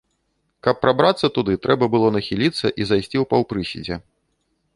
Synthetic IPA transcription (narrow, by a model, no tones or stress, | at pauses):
kɐpːɾabɾat̪sːɐt̪ud̪ɨt̪ɾɛbɐbɨlˠɔnɐxʲilʲit̪sːɐʔizajsʲt͡sʲiwpawpɾɨsʲḭd͡zʲɛ